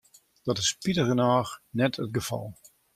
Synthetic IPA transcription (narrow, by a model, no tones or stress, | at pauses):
d̥ɔtɪspitəɣənaːxnɛtʰət̚ɡəfɑ̰lˠ